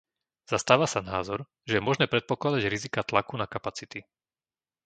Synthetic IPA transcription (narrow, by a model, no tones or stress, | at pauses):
z̥ast̪aːʋasanaːzɔɾ | ʒɛjɛmɔʒnɛːpɾɛt̪̚pɔklad̪aɟɾizikat̪lakunakapat͡sit̪i